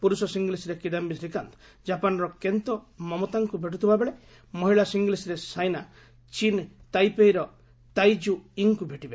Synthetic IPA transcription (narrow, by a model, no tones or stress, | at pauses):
puɾusɔsiŋɡlisɾekid̪ambisɾikant̪ɔ̥ | d͡ʒapanɔɾɔkent̪ɔmɔmɔt̪aŋkubʱeʈ̬ut̪ʰibabeɭe | mɔɦiɭasiŋɡlisɾesajna | t͡ʃint̪ajpejɾɔ | t̪ajd͡ʒuiŋkubʱeʈibe